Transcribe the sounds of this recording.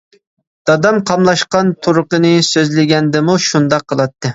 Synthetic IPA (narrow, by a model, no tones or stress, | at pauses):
d̪̥ɑd̪ɑmqʰɑmlˠɑʃqɑnt̪ʰuɾʊqənɨsøzlɪɡʲɛnd̪ɪmuʃund̪ɑqʰːəlˠɑt̪ʰːɨ